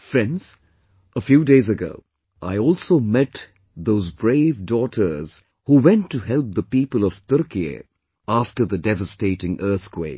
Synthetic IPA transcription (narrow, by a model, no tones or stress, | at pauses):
fɹɛ̃ndz̥ | ʔəfjuːdeɪzɨɡo̰ʊ | ʔaɪɔːlˠsoʊmɛt | ðoʊzbɹeɪvdɔɾʰə˞z̥ | huwɛ̃ntːuhɛlˠp̚ðəpiːpəlˠʌv̥t̪ʊɾkiə̰ | aftə˞ðədɛvəsteɪɾɪ̃ŋʔɜ˞θkʰw̥eɪ